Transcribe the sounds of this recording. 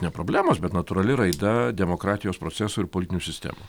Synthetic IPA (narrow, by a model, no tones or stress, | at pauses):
nʲɛpɾoːbʲlʲæːmoːsbʲɛt̪nɐt̪ʊɾɐlʲɪɾɐɪd̪ɐd̪ʲɛmoːkɾɑːt̪ʲɪjoːspɾoːsʲæːsuːɪɾpolʲɪt̪ʲɪnʲuːsʲɪsʲt̪ʲæ̰ːmu